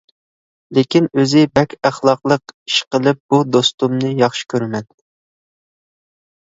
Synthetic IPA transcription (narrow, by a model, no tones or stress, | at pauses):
lekʲinøzɪbɛkʲʰæχlˠɑqlˠəqi̥ʃqəlˠɨp̚b̥ud̪ost̪umnɨjɑχʃi̥kʲʰøɾmɛn